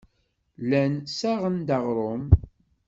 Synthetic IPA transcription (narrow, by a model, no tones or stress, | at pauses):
lænsæʁənd̪ɑʁɾˤom